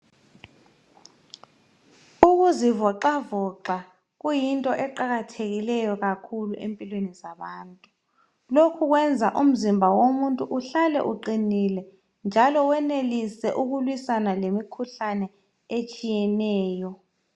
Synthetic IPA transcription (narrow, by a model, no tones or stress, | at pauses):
uɣ̬uzivɔǃavɔǃa | ɣ̬ujintʼɔʔɛǃaɣatʰeɣilɛjɔɣakʰuluʔempʼilwenizaɓaːntʼu | lokʰuɣ̬wɛnd͡zʱaʔum̩zimbʱawomuntʼuʔuɬalɛ̰ʔuǃinilɛ | nd͡ʒʱalɔwɛnelisɛʔuɣulwisanalemikʰuɬanɛ | et͡ʃʼijɛnɛːjɔ